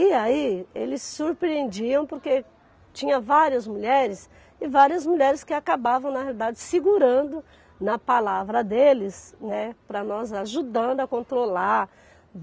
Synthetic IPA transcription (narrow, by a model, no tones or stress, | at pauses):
iaiḛlɪsːuɾpɾiẽnd͡ʒiɐ̃w̃poɾke | t͡ʃĩɲɐvaɾiɐzmuʎɛɾɪs | ɪvaɾiɐzmuʎɛɾɪskɪakabavɐ̃w̃nɐhealid̪ad͡ʒɪsiɡuɾɐ̃nd̪ʊ | nɐpalavɾɐd̪elɪsnɛpɾɐnɔzaʒud̪ɐ̃nd̪ʊɐkõnt̪ɾolaɾ